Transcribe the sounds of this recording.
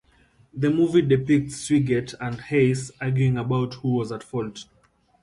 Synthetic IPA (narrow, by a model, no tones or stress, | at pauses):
ðəmuvidɨpɪk̚tswiɡɛtʰə̃ndheɪsaɡjuɪ̃ŋəbaʊthuwɔzətfɔlˠt